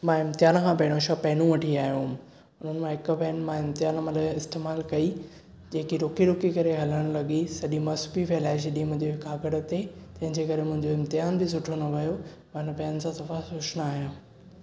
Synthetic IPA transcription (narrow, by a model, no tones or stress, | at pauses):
mãːɪmt̪ɪjaːnkʰãːpɐɦɪɽ̃õʃapɐɦɪnũʋɐʈʰiaːɦijoʊm | ʊn̤ənɪ̆mãɦɪk̆bɐnmãɪmt̪ɪjaːnmaləɪst̪eːmaːlkɐi | d͡ʑeːkiɾʊkiɾʊkikɐɾeɦɐləɽ̃lɐɠisɐɗimɐsʊ̥piʋelaːɪʃ̬ɪɗĩmʊ̃ɦɪ̃ɲd͡ʑeɪkʰaːɡəɽə̆t̪etɐ̃ɦɪ̃ɲd͡ʑekɐɾemʊ̃ɦɪ̃ɲd͡ʑoɪmt̪ɪjaːnbɪs̬ʊʈʰonɐʋɐjo | mɐɪnəpɐːənɪ̆sãsɐfasʊʃnaːɦijũː